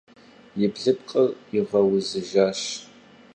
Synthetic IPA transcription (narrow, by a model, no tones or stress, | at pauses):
jɪbɮɨp̚qʼəriʁɐwʊzɨʒaːɕ